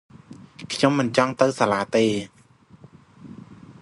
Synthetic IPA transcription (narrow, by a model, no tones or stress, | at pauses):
kʰɲomːɨnt͡ɕɑŋt̪ɨwsalaːt̪eː